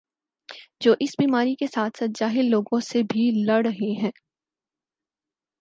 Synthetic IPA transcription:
d͡ʒoːʔɪsbiːmaːɾikesaːt̪ʰsaːt̪̚d͡ʒaːɦɪlːoːɡõsebʱilɐɽɾɐɦeɦɛ̃ː

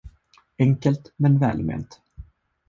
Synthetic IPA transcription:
ɛŋkəlt̪mɛnvɛ̰ːlmḛːnt̪

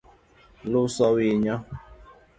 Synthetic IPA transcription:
lʊsɔwiɲɔ

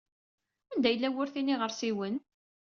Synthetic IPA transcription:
ænd̪æjəlːæwʊɾθiniʁəɾsiwən

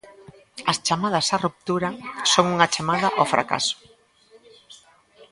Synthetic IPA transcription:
ɐst͡ʃamað̞ɐsarup̚t̪uɾɐsoŋuŋat͡ʃamaðaʔofɾʔa̰ka̰sʊ̥

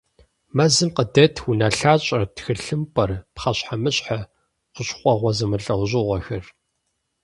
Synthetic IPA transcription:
mɐzɨmqədɐtʰwunɐɬaːɕʼɐtxɨɬɨmpʼɐrpχɐɕħamɨɕħa | qʷʊɕχʷʼɔʁʷɔzɐmɨɬʼɐwʑɪʁʷɔxɐr

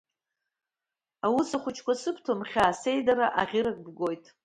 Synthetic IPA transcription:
awʊsaχʷʊt͡ʃʰkʷasɨpʰtʰomχʲaːse̞jdaɾaʔaʁʲɪɾakʼbɡʷo̞jtʼ

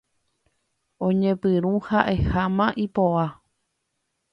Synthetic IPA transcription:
õɲẽpɨɾũhaʔe̞hamãʔipoʋa

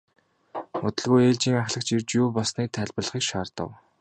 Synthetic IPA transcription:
ʊt̪ɵ̆ɮɣujeːɮt͡ɕiːŋaχɮə̆k̚t͡ɕirt͡ɕjuːpɔsniːt̪ʰæɮʲpə̆ɮχiːkʃaːrt̪ə̰̆w

